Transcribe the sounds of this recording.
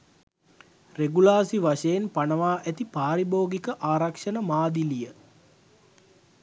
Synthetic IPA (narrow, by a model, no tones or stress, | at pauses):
reɡulaːsiʋaʂəjenpanəʋaːʔæt̪ipaːɾiboːɡikəʔaːɾakʂənəmaːd̪ilijə